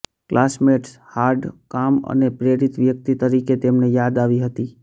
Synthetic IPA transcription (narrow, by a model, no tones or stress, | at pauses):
klʔasmeʈshaɾɖkamə̰nepɾeɾit̪ʋjək̚t̪it̪əɾiket̪emnejad̪aʋiɦət̪i